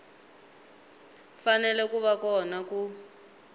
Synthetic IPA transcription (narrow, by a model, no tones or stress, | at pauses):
fanɛlɛkuβakɔnaku